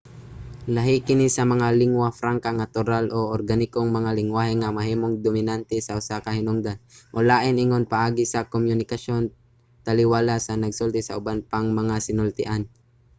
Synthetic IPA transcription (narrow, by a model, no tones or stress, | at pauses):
lɐɦikɪnisɐmɐŋalɪŋwafɾaŋkaŋɐt̪ʊɾalʔo̞ʔoɾɡanɪkoŋmɐŋalɪŋwaːɦhɪŋɐmɐɦiːmoŋd̪omɪnant̪ɛsɐʔʊsakɐhɪnʊŋd̪anmolaːʔɪnɪŋonpɐʔaːɡɪsɐkomjʊnɪkɐʃo̞n | t̪ɐlɪwaːlasɐnɐɡsʊlt̪ɪsɐʔʊbanpaŋmɐŋasɪnʊlt̪ɪʔan